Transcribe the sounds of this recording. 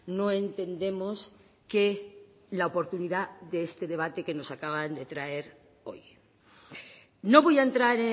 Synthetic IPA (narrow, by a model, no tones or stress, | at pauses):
noe̞nt̪e̞nd̪e̞mos | ke | laopo̞ɾt̪uniðaðeest̪e̞ðe̞β̞at̪e̞keno̞sakaβand̪e̞t̪ɾae̞ɾ | o̞̰j | no̞βo̞jaent̪ɾaɾe